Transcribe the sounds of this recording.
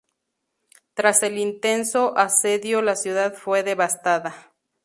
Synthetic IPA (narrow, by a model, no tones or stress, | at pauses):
t̪ɾase̞lint̪e̞nsoʔaseðjolasjuðaðfwe̞ðeβast̪aða